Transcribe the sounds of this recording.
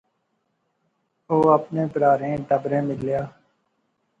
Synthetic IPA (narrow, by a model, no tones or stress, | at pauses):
oːəpnẽːpəɾaːɾẽːʈəbɾẽːmɪlljaː